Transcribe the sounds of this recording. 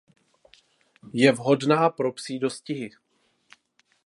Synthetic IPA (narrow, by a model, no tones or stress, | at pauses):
jɛvɦo̞dnaːpɾo̞psiːdo̞scɪɦɪ